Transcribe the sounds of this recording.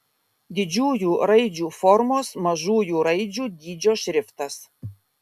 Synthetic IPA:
d̪ʲɪd͡ʒʲuːjuːɾɐɪd͡ʒʲuːfɔɾmoːsmɐʒuːjuːɾɐɪd͡ʒʲuːd̪ʲiːd͡ʒʲoːʃʲɾʲɪft̪ɐs

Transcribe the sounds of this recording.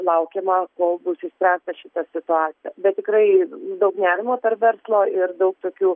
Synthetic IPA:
lˠɐʊkʲemɐkoːlˠbʊsɪsʲpʲɾʲæːst̪ɐʃʲɪt̪ɐsʲɪt̪ʊɑːt͡sʲɪjɛbʲɛt̪̚ʲtʲɪkrɐɪd̪ɐʊknʲæːɾʲɪmoːpʲɛrʋʲɛrslˠoːɪrd̪ɐʊk̚t̪oːkʲuː

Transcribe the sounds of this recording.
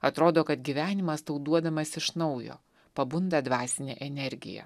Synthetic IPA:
ɐt̪ɾoːd̪oːkɐt̪ɡʲiʋʲæːnʲɪmɐst̪ɐʊd̪uɔd̪ɐmɐsɪʃnɒʊjo̰ː | pɐbʊnd̪ɐːd̪ʋɑːsʲɪnʲḛːʔɛnʲɛɾʲɡʲɪ̰jɛ̰

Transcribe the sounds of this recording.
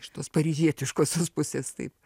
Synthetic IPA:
ɪʃt̪oːspɐɾʲizʲiɛt̪ʲɪʃkoːsʲoːspʊsʲeːst̪ɐ̰ɪp

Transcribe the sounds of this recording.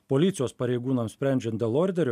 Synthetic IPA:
poːlʲɪt̪sʲɪjoːspɐɾʲɛɪɡuːnɐmsʲpʲɾʲɛˑnʲd͡ʒʲɛnt̪d̪ʲeːlˠoːɾʲd̪ʲɛɾʲo

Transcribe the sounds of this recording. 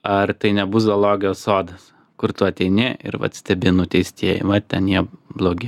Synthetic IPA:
ɐrt̪ɐɪnʲɛbʊzɐlˠoːɡʲɪoːssoːd̪ɐs | kʊɾt̪ʊɐt̪ʲɛɪnʲɪɪ̰ɾʋɐ̰t̪sʲt̪ʲɛbʲɪnʊt̪ʲɛɪsʲt̪ʲiɛjɪ̰ʋɐt̪ʲɛnjiɛblˠoːɡʲɪ

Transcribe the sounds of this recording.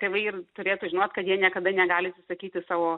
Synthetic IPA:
kɐɪʋɐɪrt̪ʊɾʲeːt̪ʊʒʲɪnoːt̪ʲkɐt̪jiɛnʲiɛkɐd̪ɐnʲɛɡɑːlʲɪɐsʲɪsɐkʲiːt̪ʲɪsɑːʋoː

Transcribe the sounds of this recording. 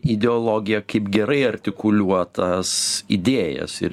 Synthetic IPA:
ɪd̪ʲɛolˠoːɡʲɪjɛkɐɪpɡʲɛɾɐɪɐɾʲt̪ʲɪkʊlʲuɔt̪ɐsid̪ʲeːjɛ̰sɪ̰ɾ

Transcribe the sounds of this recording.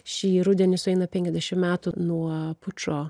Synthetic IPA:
ʃʲiːɾʊd̪ʲɛnʲɪsʊɛɪnɐpʲɛŋʲkʲɛzʲd̪ʲæʃʲɪmmʲæːt̪unuɔpʊt͡ʃoː

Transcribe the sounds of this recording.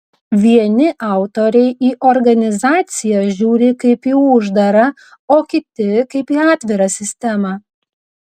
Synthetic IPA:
ʋʲiɛnʲɪʔɑˑʊt̪oɾʲɛɪʔiːʔɔɾɡɐnʲɪzɑːt̪sʲɪjɛʒʲuːɾʲɪkɐɪpiʊʒd̪ɐɾɐ | oːkʲɪt̪ʲɪkɐɪpiːɑːt̪ʲʋʲɪɾɐsʲɪsʲt̪ʲɛmɑː

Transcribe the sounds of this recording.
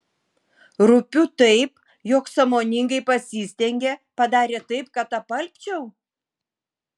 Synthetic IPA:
ɾʊpʲut̪ɐɪp | joːksɐmoːnʲɪŋɡɐɪpɐsʲiːsʲt̪ʲɛŋʲɡʲepɐd̪ɑːɾʲeːt̪ɐɪp̚kɐt̪ɐpɐlʲpʲt͡ʃʲɛʊ

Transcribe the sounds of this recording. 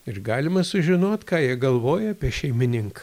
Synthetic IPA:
ɪɾɡɑːlʲɪmɐsʊʒʲɪnoːt̪kɑːjiɛɡɐlˠʋoːjɛɐpʲiɛʃʲɛɪmʲɪnʲɪŋkɐ̥

